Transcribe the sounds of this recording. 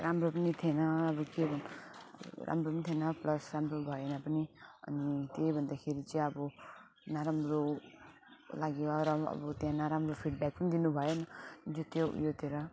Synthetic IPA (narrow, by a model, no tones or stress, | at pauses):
ɾʔamɾopʌnit̪ʰenʌːbukebn̰ | ɾʔa̰mɾonit̪ʰenʌplʌsɾamɾobʱʌenapʌniʌ̰nit̪ebʱʌnd̪akʰeɾit͡sijʌbɔ | naɾamɾo | laɡeɾʌ̰bʌt̪jãnaɾamɾopʰiɖbɛk̚pʌnid̪inubʱʌenʌd͡zot̪jojot̪eɾʌ